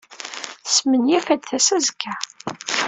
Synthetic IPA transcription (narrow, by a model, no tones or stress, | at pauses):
θə̥smənjæfæd̪θæsæzəkʰːæ